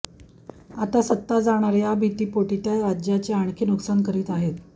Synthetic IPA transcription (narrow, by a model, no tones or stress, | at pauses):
at̪asət̪ːad͡zaɽ̃aɾjabʱit̪iːpoʈit̪jaɾad͡ʑjat͡ɕeaɳ̃kʰenuksankəɾiːt̪aɦet̪